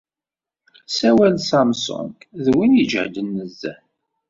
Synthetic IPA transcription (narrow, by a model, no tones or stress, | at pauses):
sæwælsɑmsʊ̰ŋkðwinjəd͡ʒ̰ʕd̪ənːəzːæ̰